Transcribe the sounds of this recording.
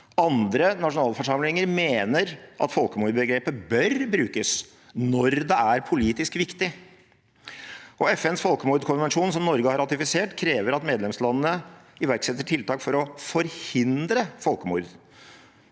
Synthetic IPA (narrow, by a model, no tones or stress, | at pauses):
ɑnd̪ɾənɑʂʊnɑːlfɔʂɑmlɪŋəɾmeːnəɾʔɑ̰t̪fɔlkəmuːɾd̪bəɡɾeːpəbœɾbɾʉːkəs | nɔɾd̪ɛæɾpʰʊliːt̪ɪskʋɪkt̪ɪ | ʔɔɛfɛnsfɔlkəmuːɾd̪kʰʊnʋɛnʂuːnsɔmnɔɾɡəhɑɾɑt̪ɪfɪseːʈkʰɾeːʋəɾɑt̪meːd̪lɛmslɑnːənəɪʋæɾksɛt̪ːəʈʰɪlt̪ʰɑːkfɔɾɔfɔɾhɪnd̪ɾəfɔlkəmṵːɾd̪